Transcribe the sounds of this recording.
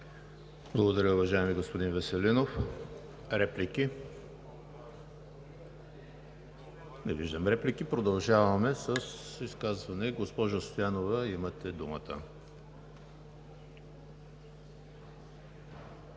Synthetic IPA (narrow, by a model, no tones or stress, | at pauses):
b̥lˠɐɡod̪ɐɾʲəʊvɐʒaɛmiɡospod̪invɛsɛlinof | ɾɛpliki | nɛviʒd̪əmɾɛplikipɾod̪ɐlˠʒavɐmɛsəsiskazvɐnɛɡospɔʒost̪ojanovɐimət̪ɛd̪umə̰t̪ə̰